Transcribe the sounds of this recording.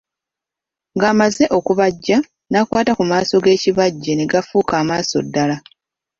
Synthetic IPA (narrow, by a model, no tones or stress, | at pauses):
ŋɡaːmaze̞ʔo̞kuβaɟːa | nakwaːtakumaːso̞ɡe̞ːciβaɟːene̞ɡafuːkaːmaːso̞̰dːala